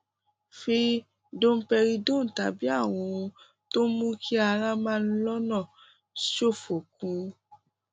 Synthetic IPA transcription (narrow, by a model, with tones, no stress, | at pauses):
fi˧ | dõ˦m̩˦pɛ˧ɾi˧dõ˦n̩˨ta˨bi˨˦a˦˨w̃ɔ̃˧ | to˦mũ˦kʰi˦a˧ɾa˦mãː˦n̩˦lɔ˦nã˦˨ | ʃo˦˨fo˨k̚ũ˨˧